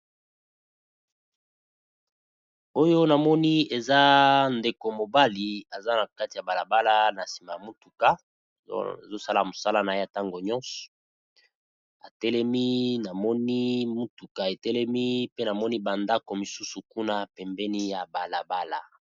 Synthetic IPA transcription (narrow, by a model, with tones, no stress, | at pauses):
o˦jo˦na˨mɔ˦ni˦e˨za˦nde˨ko˨mo˨ba˦li˨a˨za˦na˨ka˦ti˨ja˨ba˨la˨ba˦la˦na˨si˨ma˨ja˨mu˦tu˨ka̰˦˨ | zo˦sa˦la˨mo˨sa˦la˦na˨je˦a˨ta˦ŋɡo˨ɲɔ˦nsɔ̥˨ | a˨tɛ˦lɛ˦mi˦na˨mɔ˦ni˦mu˦tu˨ka˨e˨tɛ˦lɛ˦mi˦pe˦na˨mɔ˦ni˦ba˨nda˦ko˨mi˨su˦su˨ku˦na˦pɛ˨mbɛ˦ni˦ja˨ba˨la˨ba˦la˦